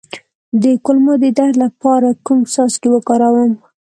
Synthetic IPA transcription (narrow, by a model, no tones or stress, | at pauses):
d̪əkʊlmod̪əd̪ahɾlapɑɾakumsɑskewəkɑɾawəm